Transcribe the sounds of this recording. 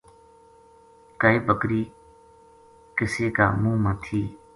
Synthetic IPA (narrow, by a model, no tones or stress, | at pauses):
kəiːbəkɾiː | kɪseːka̰ːmũːmãːt̪ʰiː